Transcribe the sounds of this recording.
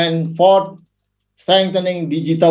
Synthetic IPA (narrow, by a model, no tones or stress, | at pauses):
ɛ̃nfɔt | sʈɾɛ̃ŋk̚t̪ənɪ̃ŋɖid͡ʒiʈə